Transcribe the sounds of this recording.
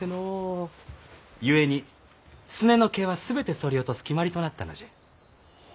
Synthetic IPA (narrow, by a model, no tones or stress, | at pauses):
eno | jɯe̞ɲ̟i | sɨne̞no̞ke̞βasɨbe̞t̪e̞so̞ɾʲio̞t̪osɨ̥kʲimaɾʲit̪o̞nat̪ːano̰ʑe̥